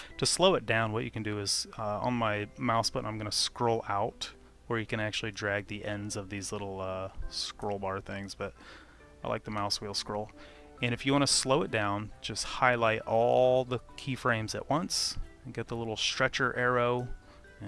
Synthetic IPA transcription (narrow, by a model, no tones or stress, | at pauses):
tʰɨsloʊɨt̚d̥ãʊ̃nwʌt͡ʃɨkɨ̃n̩dɨɪz̥ʌə̰̃nmaɪmaʊsb̥ʌɾʔãɪ̃mɡʌ̃nəskɹoʊlˠaʊt̚ | wə˞jɨkɨ̃ñæk̚t͡ʃʉl̩ˠidɹæɡ̚ðiʔɛ̃ndzʌvðizlɪɾl̩ˠʌskɹoʊlˠbɑɹθɪ̃ŋzbʌɾ | aɪlʔa̰ɪk̚ðəmaʊswilˠskɹoʊlˠ | ɨ̃ɾ̃ɨfjɨwɑ̃ɾnɨsloʊɨt̚d̥ãʊ̃nd͡ʒʌst̚haɪlaɪɾɔlˠðəkʰifɹẽɪ̃mzɨ̰ʔwʌ̃ns | nɡɛt̪̚ðəlɪɾl̩ˠstɹ̥ɛt͡ʃə˞ʔɛɹoʊ̃